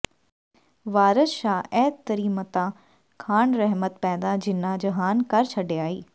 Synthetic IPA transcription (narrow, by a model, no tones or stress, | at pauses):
ʋaːɾəʃaːɛːt̪t̪ːɐɾiːmət̪ã | kʰaːɳ̃ɾɐɦmət̪pɛːd̪ad͡ʑɪnãd͡ʑɐɦaːnkɐɾt͡ɕʰɐɖeaːɦiː